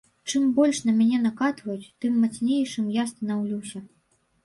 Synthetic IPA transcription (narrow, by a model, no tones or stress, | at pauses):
t͡ʂɨmbɔlʲʂnɐmʲanʲɛnakat̪vɐjut͡sʲt̪ɨmːat̪snʲejt͡ʂɨmjast̪ɐnawlʲuwsʲɐ